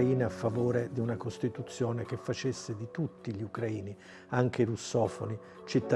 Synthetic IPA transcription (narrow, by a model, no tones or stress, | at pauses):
iːneafːavoːɾed̪iunakost̪it̪ut̪sːjɔːnekefːat͡ʃesːed̪it̪ut̪ːiʎiukɾaiːni | aŋk̟eɾusːɔːfo̰ni | t͡ʃit̪ːa